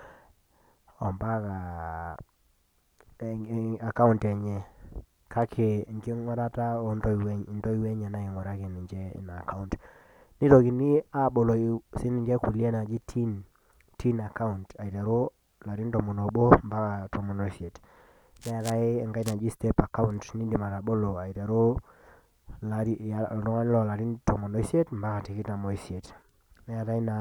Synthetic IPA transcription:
ɔ˨mba˦ka˨ | a˨ka˦u˦ntɛ˨ɲɛ˨ | kʰa˦kʰe˨ŋɡi˦ŋwa˦ɾa˦ta˦o˨˦ndɔ˦˨wɛ˦˨ndɔ˦i˦wɛ˦ɲa˨na˦ɪ˨ŋwɔ˨ɾa˦ke˨ni˨ɲd͡ʒɛ̰˦˨na˨ka˦u˦nt | ni˦to˨ki˨ni˦a˦ɓo˨lo˨sɪ˦ni˨ɲd͡ʒɛ˦ku˨le˦na˨d͡ʒi˦tʰi˦n | ti˦na˨ka˦unta˨i˨ta˨ɾo˦ | la˨ɾi˦ntɔ˨mɔ˨no˨bo˦mba˦ka˨tɔ˨mɔ˨nɔ˦i˦sie˨t | nɛ˦a˨ɾa˦ɪ˦ɛ˨ŋɡa˦i˦na˨d͡ʒi˦ste˦pa˨ka˦u˦ntni˦di˨ma˨ɾa˨bo˦lo˨a˨i˨ta˨ɾo˦ | la˨ɾi˦a˨ɾɔ˦ŋa˦n˦lɔ˨la˨ɾi˦ntɔ˨mɔ˨nɔ˦i˦si˦e˦tmba˦ka˨ti˨kɪ˦ta˨mɔ˨i˦si˦e˨t | nɛ˦a˨ɾa˦i˦na˨

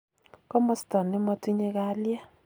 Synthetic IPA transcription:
kɔ˦mɔ˦stɔ˨nɪ˦mɔ˦ti˦ɲe˦ka˦lja˦

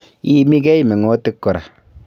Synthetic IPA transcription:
i˦mi˦ɡɛ˦i˦˨me˨ŋo˦tɪ˦kːʊ˨ɾa̰˨

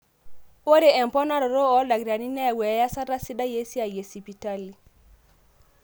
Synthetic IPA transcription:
o˦ɾe˨ɛ˨mpɔ˦na˦ɾɔ˨ɾo˦ɔ˦la˨ɡɾa˨ni˦nɛ˦˨wɛ˨˦ja˦sa˦ɾa˦si˦da˦je˦si˦a˨je˨si˨pi˨ta˦li˨

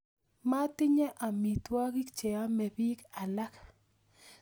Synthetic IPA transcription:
ma˦tɪ˦ɲɛ˦ʔa˨mi˨t̪wa˦ɡi˦kt͡ʃɛ˨a˦mɛ˨bi˦ka˨la˦k

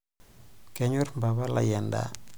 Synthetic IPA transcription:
kɛ˨ɲu˦rmba˨ba˦la̰˨jɛ˨nda̰˦

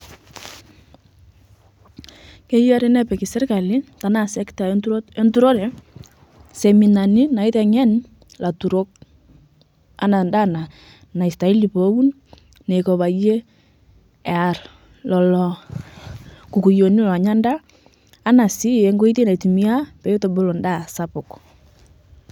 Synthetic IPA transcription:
ke˦ja˦ɾɛ˦nɛ˦pɛ˨ki˨sɛ˦rka˨li˦ta˨na˦sɛ˦kta˨tu˦ɾe˦ntu˦ɾo˦ɾɛ˨ | se˨mi˨na˨ni˦na˨ɪ˦tɛ˨ŋɛ˦n | la˨tu˨ɾo˦k̚ | a˦na˨nda˦na˨ | na˨i˨sta˨i˦li˨po˨˦wu˦n | nɛ˨kɔ˨βa˨je˦ | ɛ˨a˨r | lɔ˨lɔ˨ | ku˨ku˨jo˨ni˦lɔ˨ɲa˦ndaː˦ | na˨si˦ɛ˨˦ŋɡo˦i˦ti˦na˨i˨ti˨mi˦a˦pɛ˨jo˦tɔ˨bo˦lɔ˨nda˦˨sa˦pʊ˨k

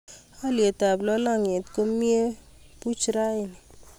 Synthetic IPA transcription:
ɔ˦lje˨ta˨blɔ˦la˦ŋɪ˨tko˦mje˦ | pu˦t͡ʃɾa˦ɪ˨nɪ˨

